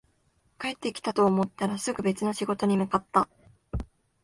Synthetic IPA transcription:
kae̞t̪ːe̞kʲi̥t̪at̪o̞ːmo̞t̪ːaɾasɨɡɯ̟be̞t͡sɨno̞ɕiɡo̞t̪o̞ɲ̟imɯ̟kat̪ːa

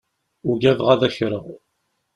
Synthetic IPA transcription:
ʊɡævʁæðæçɾəʁ

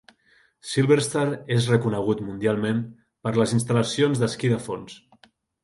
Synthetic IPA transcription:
silˠβeɾst̪aɾezrəkunəɣ̞ut̪mund̪ialˠmẽm | pəɾləzinst̪ələsionzðəskiðəfons

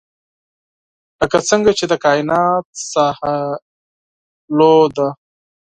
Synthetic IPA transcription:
ləkat͡səŋɡat͡ʃed̪əkɑɪnɑt̪̚saha | lod̪a

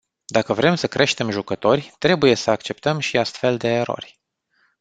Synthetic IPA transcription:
d̪akəvɾe̞msəkɾʔe̞ʃt̪e̞mʒukət̪o̞rʲt̪ɾe̞buje̞səakt͡ʃe̞pt̪əmʃiast̪fe̞ld̪e̞ːɾo̞̰rʲ

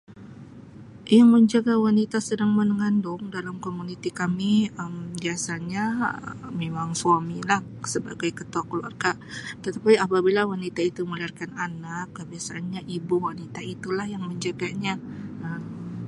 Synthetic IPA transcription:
jaŋməɲd͡ʒaɡawanit̪asədaŋmənəŋandʊŋdalamkomunit̪ikamiəmbiasaɲa | memaŋsuamilah | səba̰ɡajkət̪ɔakəlua̰rɡa | t̪ət̪apiapabilawanit̪ait̪uməliarkananakːəbiasaːnɲaʔibuwanit̪ait̪ulahjaŋməɲd͡ʒaɡaɲaʔəm

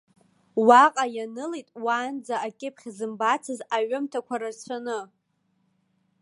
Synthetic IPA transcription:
waqʼajanɨlejtʼwaːnd͡zaakʲʼɪpʰχʲzɨmbat͡sʰɨzaɥʊmtʰakʷʰaɾart͡ɕʷʰanɨ

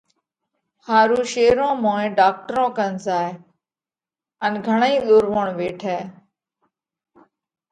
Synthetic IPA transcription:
haːɾuːʃeːɾõːmõːẽːɖaːk̚ʈəɾõːkənsaːe | ənɡʱəɳəĩːɗoːɾʋəɳʋeːʈʰɛː

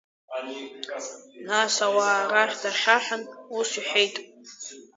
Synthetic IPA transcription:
nasawaːraχʲdaχʲaħanusiħejtʼ

